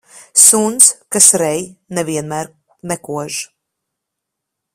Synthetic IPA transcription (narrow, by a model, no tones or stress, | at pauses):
sunskasɾɛjnɛviɛnmæːɾ | nɛkuɔʒ